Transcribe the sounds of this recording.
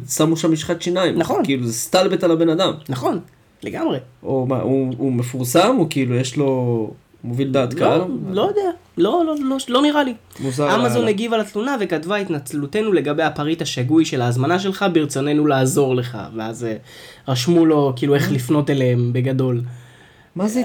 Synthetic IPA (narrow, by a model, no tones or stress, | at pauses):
samuʃamːiʃχat̪ʃinaimnaχonkiiluzest̪albet̪alabe̞nad̪amnaχo̞n | le̞ɡamʁeoma̰uume̞fuʁsamukiilujeʃlo̞ | movild̪aːt̪kallojod̪ealo̞lololo̞niʁalimuzaamazo̞neɡivalat̪lunave̞katvait̪nat͡slute̞nule̞ɡabejapaʁit̪aʃaɡujʃe̞laːzmanaʃ̬e̞lχabiʁt͡so̞ne̞nulaːzo̞ʁle̞χa̰veazʁaʃmulo̞kiːlue̞χlifno̞telehembe̞ɡado̞l | maze